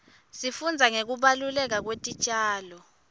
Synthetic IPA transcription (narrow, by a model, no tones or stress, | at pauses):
sifund͡zʱaŋek̬uɓalulɛk̬ak̬wetʼit͡ʃʼaːlɔ